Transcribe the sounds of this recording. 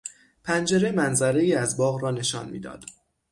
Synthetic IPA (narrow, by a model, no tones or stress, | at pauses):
pʰænd͡ʒe̞ɾe̞mænzæɾe̞jiːæzbɒːɣrɒːne̞ʃɒ̰ːnmḭːd̪ɒ̰ːd̪̥